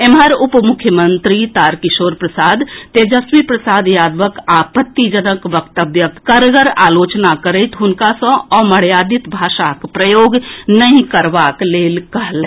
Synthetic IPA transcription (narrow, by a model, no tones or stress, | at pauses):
emɦəɾupmʊkʰːjəmənt̪ɾit̪aɾkisoːɾpɾəsaːd̪t̪ed͡ʒəswipɾəsaːd̪jaːd̪ʋəkapət̪ːid͡ʒənəkʋəkt̪əbjəkkəɾɡəɾaːlot͡ʃnakəɾəɪt̪ɦʊnkasə̃ɔməɽ̤jaːd̪it̪bʱaːʃakpɾəjoːɡnəĩkəɾbakleːlkəɦl